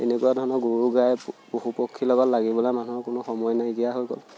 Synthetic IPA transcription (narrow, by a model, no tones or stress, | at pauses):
ḛnɛkuwadʱɔɹnɔɡuɹuɡajbohupɔkʰːilɔɡɔtlaɡibɔlajmanuɔkʊnʊxɔmɔjnajɡijaɦojɡɔ̰l